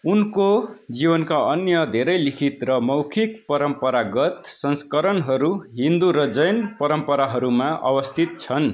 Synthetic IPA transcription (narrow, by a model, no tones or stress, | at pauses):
unkod͡zibʌnkaʌnjʌd̪ʱeɾʌjlikʰit̪rʌmʌwkʰik̚pʌɾʌmpʌɾaɡʌt̪sʌnskʌɾʌnɦʌɾuɦind̪uɾʌd͡zʌjnpʌɾʌmpʌɾaɦʌɾumaʔʌ̰bʌst̪ʰit̪̚t͡sʰʌn